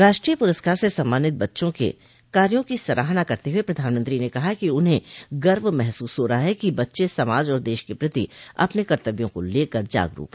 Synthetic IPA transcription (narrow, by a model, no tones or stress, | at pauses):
ɾaːʃʈɾiːəpʊɾəskaːɾsesɐmːaːnɪt̪̚bɐtːʃõkḛ | kaːɾjõkisɐɾʔa̰ːɦnakɐɾt̪eɦuepɾɐd̪ʱaːnmə̃nt̪ɾinekɐɦakiʊnɦẽɡɐɾmmɛɦsuːsɦoːɾɐɦaɦɛkibɐtːʃesɐmaːd͡ʒɔːɾd̪eːʃkepɾɪt̪iɐ̰pnekɐɾt̪əbjõkoleːkɐɾd͡ʒa̰ːɡɾṵːkɦɛ